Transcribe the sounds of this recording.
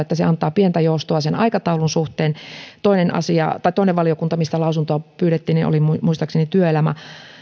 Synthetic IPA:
et̪ːæseɑnt̪ˑɑːpient̪æjoust̪oɑsenɑikɑt̪ɑulunsuht̪eːnt̪oinenɑ̰siɑ̰t̪ɑit̪oˑineʋʋɑliokunt̪ɑmist̪ælɑusunt̪oɑpyːɾet̪ːiːnino̰limmuist̪ɑksenit̪yøelæmæ̰

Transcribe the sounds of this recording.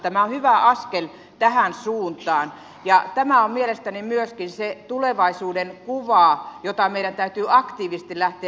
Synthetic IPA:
t̪æmæohyʋæʔɑskel | t̪æhænsuːnt̪ɑːn | jɑt̪æmæommielest̪ænimyøskinset̪uleʋɑisuːdenkuʋɑːˑjot̪ɑmeiɾænt̪æyt̪yːɑkt̪iːʋist̪ilæht̪eæ

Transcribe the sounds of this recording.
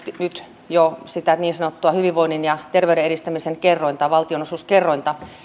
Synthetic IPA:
nyt̪ | josit̪æniːnsɑnot̪ːuɑhyʋiʋʋoinːinjɑt̪erʋeyɾeeɾist̪æmiseŋkerːoint̪ɑʋɑlt̪ionosuːskerːoint̪ɑ

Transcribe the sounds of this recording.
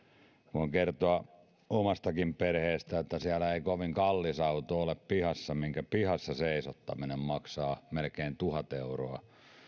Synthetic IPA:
ʋoiŋkert̪oɑ | omɑst̪ɑkimperheːst̪æot̪ːæsiælæeikoʋiŋkɑlːisɑut̪ooleppihɑsːɑmiŋkæpihɑsːɑseisot̪ːɑminemmɑksɑːmelkeint̪uhɑt̪euroɑ

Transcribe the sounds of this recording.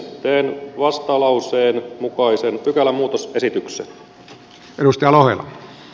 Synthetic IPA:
t̪ːeːnʋɑst̪ɑlɑuseːnmukɑisenpykælːæmuːt̪ose̞sit̪yksḛn | edust̪ɑjɑlohelːɑ

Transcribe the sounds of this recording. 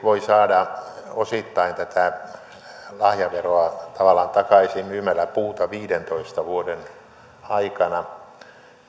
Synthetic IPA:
ʋoisɑːdɑosit̪ːɑint̪æt̪æ | lɑhjɑʋeroɑt̪ɑʋɑlːˑɑnt̪ɑkɑisimmyːmælæpuːt̪ɑʋiːdent̪oist̪ɑʋuoden | ɑikɑnɑ

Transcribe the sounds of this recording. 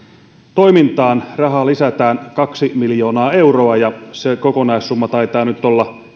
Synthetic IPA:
t̪o̞jmint̪ɑːnrɑɦɑlisæt̪æːnkɑksimiljo̞ːnɑːe̞wro̞ɑjɑsekokonɑissumːɑt̪ɑjt̪ɑːnyt̪ːolːɑ

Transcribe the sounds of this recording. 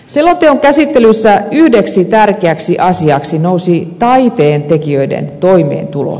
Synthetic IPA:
selːont̪eoŋkæsit̪ːelysːæyhdeksit̪ærkeæksiʔɑsiɑksinousit̪ɑit̪eːnt̪ekiøidḛnt̪oimḛːnt̪ulo̰

